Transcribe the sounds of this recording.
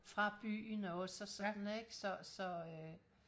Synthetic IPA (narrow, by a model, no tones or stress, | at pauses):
fʁɑ̈b̥y̰ːnɒ̽səsɒdneɡ̥sɒ̽sɒø